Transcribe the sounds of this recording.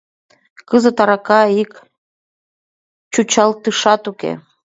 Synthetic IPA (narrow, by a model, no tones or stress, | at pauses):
kəzə̆t̪ɑɾɑkɑik | t͡ɕut͡ɕɑlt̪ɯʃɑt̪ukḛ